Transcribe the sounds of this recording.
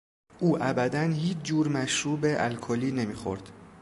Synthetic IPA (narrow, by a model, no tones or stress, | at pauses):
ʔuːʔæbæd̪ænhiːt͡ʃʰd͡ʒuːɾmæʃɾuːbeʔæ̰lkʰoliːne̞miːxo̰ɾd̪̥